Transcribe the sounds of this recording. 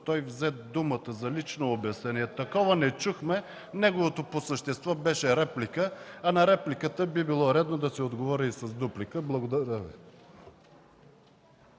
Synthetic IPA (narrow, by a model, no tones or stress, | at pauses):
t̪ɔjvzɛt̪d̪umət̪əzɐlit͡ʃnoːbjɐsnɛniɛt̪ɐkɔvɐnɛt͡ʃuxmɛ | nɛɡovot̪oposəʃt̪ɛst̪vɔbɛʃɛɾɛplikəɐnɐɾɛplikət̪əbibilˠɔɾɛd̪nod̪ɐsɛod̪ɡovɔɾʲəisɐzd̪uplikəblˠɐɡod̪ɐɾəvḭ